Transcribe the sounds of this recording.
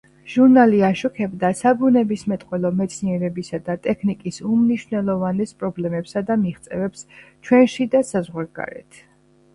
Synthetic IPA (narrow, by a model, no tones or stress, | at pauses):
ʒ̥uɾnaliaʃɔkʰɛbd̪asabunɛbismɛt̪ʼqʼwɛlˠɔmɛt̪sʰniɛɾɛbisad̪at̪ʼɛkʰnikʼisumniʃwnɛlˠɔvanɛspʼɾɔblɛmɛpsad̪amiʁt̪sʼɛ̰vɛpst͡ʃʰwɛnʃid̪asazʁwaɾɡa̰ɾɛ̰t̪ʰ